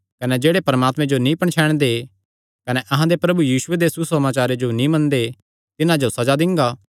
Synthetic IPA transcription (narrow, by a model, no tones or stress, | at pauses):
kɐnɛd͡ʒeːɽepɐɾəmaːt̪mẽd͡ʒonĩpɐɳ̃t͡ʃʰɛːɽ̃d̪e | kɐnɛʔɐɦãd̪epɾɐbujiːʃʊed̪esusɐmaːt͡ʃaːɾed͡ʒonĩmɐ̃nd̪e | t̪ɪnãd͡ʒosɐd͡ʒad̪ɪ̃ŋɡaː